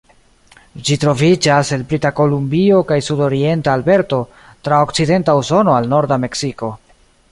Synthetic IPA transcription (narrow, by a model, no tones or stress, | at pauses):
d͡ʒitɾo̞vid͡ʒase̞lpɾitako̞lumbio̞kajsudo̞ɾie̞ntaːlbe̞ɾto̞ | tɾaokt͡side̞ntauso̞no̞alno̞ɾdame̞ksiko̞